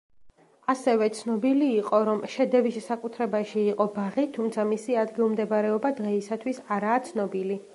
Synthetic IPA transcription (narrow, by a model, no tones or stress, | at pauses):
asɛvɛt̪sʰnɔbiliːqʼɔɾɔmʃɛd̪ɛvissakʼut̪ʰɾɛbaʃiːqʼɔbaʁit̪ʰumt̪sʰamisiad̪ɡilˠmd̪ɛbaɾɛɔbad̪ʁɛisat̪ʰwisaɾaːt̪sʰnɔbili